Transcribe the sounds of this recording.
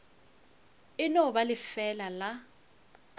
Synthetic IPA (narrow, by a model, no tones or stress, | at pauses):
ɪnɔɓalɪfɛlala